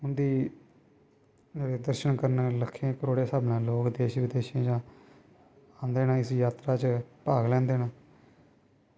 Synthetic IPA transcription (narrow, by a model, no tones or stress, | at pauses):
ʊnd̪iː | d͡ʒeːɽeːd̪əɾʃənkəɾnləkʰːẽːkəɾoːɽeːsaːbnãːloːkd̪eːʃʋɪd̪eːʃẽːd͡ʒãː | ãːnd̪eːnãːɪsjaːt̪ɾaːt͡ʃpaːɡlɛ̃ːnd̪eːnãː